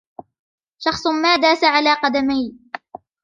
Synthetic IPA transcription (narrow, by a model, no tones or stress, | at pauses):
ʃɑχsˤmaːd̪aːsaʕalaːqɑd̪amaj